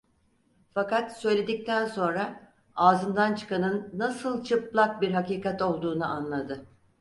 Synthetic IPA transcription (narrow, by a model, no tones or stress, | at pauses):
fakat̪sø̞jlʲe̞d̪ic̚t̪ʰænso̞nɾa | aːzɯmd̪ant͡ʃʰɯ̥kanɯnːasɯlˠt͡ʃʰɯplˠak̚biɾɦakiːkat̪o̞lˠd̪uːnuʔanlˠad̪ɯ